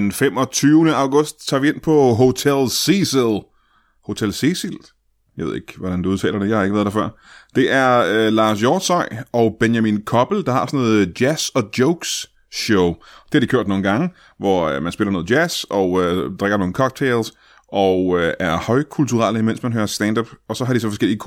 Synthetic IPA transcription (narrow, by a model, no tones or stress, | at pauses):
enfemɒ̽t͡sʰyʊnəɑ̈ʊɡ̥ɔ̽sd̥̚t͡sʰɑ̈ːʋie̝npʰɒɦo̝t͡sʰelsiselˠ | ho̝t͡sʰelsisil | jɑʋe̝ðˠe̝ɡ̥ʋɒd̥ænd̥uuð̞ˠt͡sʰɛ̰ːlɐd̥e̝jɑ̈hɑe̝ɡəʋæɐðˠd̥æfɶɐ̰ | d̥e̝ʔæɐølɑ̈ːs̬jɒːd̥sɒɪ̰ʔɒ̽ʊb̥enjæminkʰɒ̽b̥l̩d̥ɑ̈hɑ̈sɔ̽noɔːð̩ˠd̥jæsɒ̽d̥joʊɡ̥s | ɕoʊd̥e̝hɑ̈d̥ikʰøɐ̰d̥no̝ːn̩ɡ̥ɑ̈ŋə | ʋɒømænsbe̝lɐno̽ːð̩ˠjæsɒ̽ød̥ʁeɡ̥ɐno̝ːŋ̩kʰɒ̽ɡ̥̚t͡sʰeɪls | ʔɒøæɐhɒ̽ɪkʰult͡sʰuʁɑ̰ləimen̰smænɦøːɐsd̥ænd̥ɒb̥ɒ̽sɒ̽ɦɑ̈ɾ̥is̬ɒ̽fɒ̽sɡ̥el̰iəkʰ